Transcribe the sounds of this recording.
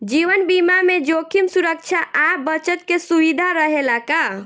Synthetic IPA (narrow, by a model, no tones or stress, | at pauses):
d͡ʒiʋənbimamed͡ʒokʰimsuɾək̚t͡ʃʰaʔabət͡ʃət̪̚kesuʋid̪ʱaɾəɦelaka